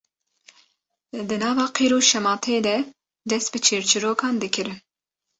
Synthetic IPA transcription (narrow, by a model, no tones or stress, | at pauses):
d̪ɨnɑːvɑːqʰeɾoːʃɛmɑːt̪ʰeːd̪ɛ | d̪ɛst̪̚bɨt͡ʃʰeːɾt͡ʃʰɨɾoːkʰɑːnd̪ɨkʰɨɾɨn